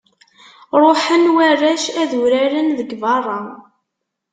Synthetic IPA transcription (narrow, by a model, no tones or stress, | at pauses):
ɾˤoħənwærːæʃæðuɾæɾənðəɡvɑrˤːɑ